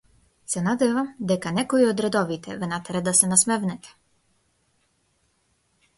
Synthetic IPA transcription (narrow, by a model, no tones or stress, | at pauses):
sɛnad̪ɛvamd̪ɛkanɛkɔiɔd̪ɾɛd̪ɔvit̪ʰɛ̰vɛnat̪ɛɾɛd̪asɛnasmɛvnɛt̪ʰɛ̥